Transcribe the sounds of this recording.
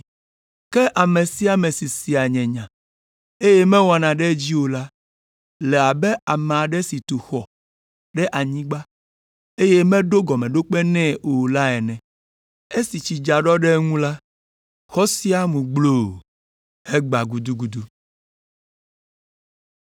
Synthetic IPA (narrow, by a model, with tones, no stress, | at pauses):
kɛ˦ʔa˨me˨si˦a˨mɛ̃˨si˨si˨a˨ɲɛ̃˨ɲã˨ | e˦je˦mɛ̃˦wa˨nã˨ɖɛ˦d͡ʑi˦wo˨la˦ | lɛ˨a˨bɛ˦a˨mẽ˨a˨ɖɛ˦si˨t̪u˨xɔ˨ | ɖɛ˦ʔa˨ɲĩ˦ɡ͡ba˦ | e˦je˦mɛ̃˦ɖo˦ɡɔ˨mɛ̃˨ɖo˦k͡pɛ˦nɛ̃˦o˨la˦ɛ˨nɛ̃˨ | e˦si˨t͡ɕi˨d͡ʒa˨ɖɔ˦ɖɛ˦ŋũ˦la˦ | xɔ˦si˦a˦mũ˨ɡ͡blo˨ | he˦ɡ͡ba˨ɡu˨d̪u˦ɡu˨d̪u˦